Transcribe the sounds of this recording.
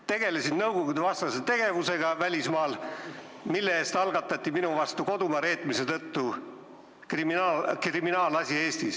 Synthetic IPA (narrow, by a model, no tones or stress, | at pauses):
t̪e̞ɡ̥e̞lesinnɤwɡ̥oɡud̪vɑst̪ɑset̪e̞ɡ̥e̞vuse̞ɡ̥ɑvælʲismɑːl | milːeeːst̪ɑlɡɑt̪ːˑɑt̪ʲːˑiminuvɑst̪uko̞d̪umɑɾe̞ːt̪ːˑmise̞t̪ɤt̪ːu | kriminɑlkriminɑːlɑsʲie̞ːst̪is